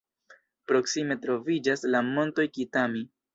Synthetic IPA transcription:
pɾo̞ksime̞tɾo̞vid͡ʒaslamo̞nto̞jkitami

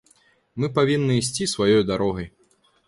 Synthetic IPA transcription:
mɨpavʲinːɨːsʲt͡sʲisvajɔjd̪aɾɔɣɐj

